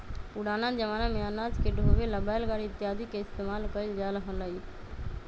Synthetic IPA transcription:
puɽaːnad͡ʒəʋaːnamẽanaːd͡ʒkeɖʱoːʋeləbaːjlɡaɽɪt̪ːjaːd̪ikeɪst̪eːmaːlkəɾild͡ʒaləɦə̃nləi

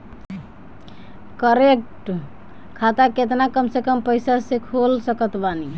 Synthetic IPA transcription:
kəɾekʈ | kʰat̪aket̪nakəmsekəmpəjsasekʰolsəkət̪bani

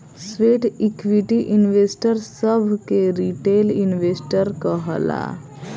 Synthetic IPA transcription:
sʋeːʈikʋiʈiʔinʋeːsʈəɾsəbʱkeɾiʈeːlinʋeːsʈəɾkəɦəla̰

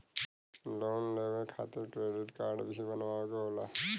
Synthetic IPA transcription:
loːnleʋeɾkʰat̪ɪɾkɾeɖɪʈkaɾɖbisibənʋakeɦola

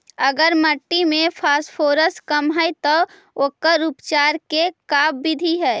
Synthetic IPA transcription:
əɡəɾməʈːimẽpʰaspʰoːɾəskəmɦəjt̪ɔ | okəɾupt͡ʃaɾkekabbid̪ʱiɦɛɪ

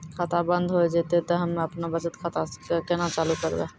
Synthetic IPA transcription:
kʰat̪ʰabə̃nd̪ʱɦoed͡ʒet̪et̪ɔɦəmeɐpnabət͡ʃət̪kʰat̪akenat͡ʃaːlukəɾb̪aː

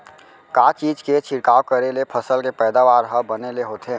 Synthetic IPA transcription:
kaːt͡ʃiːd͡ʒket͡ʃʰɪɾkaːwkəɾelepʰəsəlkepɛːd̪aːʋaːɾɦəbəneleɦoːt̪ʰeː

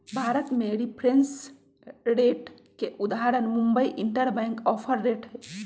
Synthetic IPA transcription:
bʱaɾət̪meɾipʰɾens | ɾeʈ | keʔud̪aɦaɾənmumbəjʔiɳʈəɾbɛ̃ŋkɔpʰəɾːeʈɦɛ

